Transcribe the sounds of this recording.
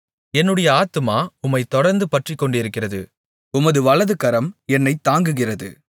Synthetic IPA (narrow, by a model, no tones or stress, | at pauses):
ɛnːɯɽɐjɐaːt̪ɯmaːʊmːɐɪt̪ːɔɽɐɾnd̪ɯpɐʈrɪkːɔɳɖɪɾɯkːɪrɐðɯ | ʊmɐðɯʋɐɭɐðɯkɐɾɐmɛnːɐɪt̪ːaːŋɡɯɣɪrɐðɯ